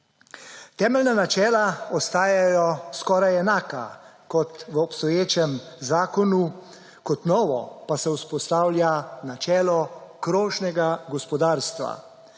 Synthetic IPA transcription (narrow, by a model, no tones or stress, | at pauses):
t̪ɛːmɛlnanat͡ʃɛːlaɔst̪aːjajɔskɔːɾajɛnaːka̰kɔt̪ʋəɔpst̪ɔjeːt͡ʃɛmzaːkɔnu | kɔt̪nɔːʋɔ̰pasɛuspɔst̪aːwljanat͡ʃɛːlɔkɾoːʒnɛɡaɡɔspɔd̪aːɾst̪ʋa̰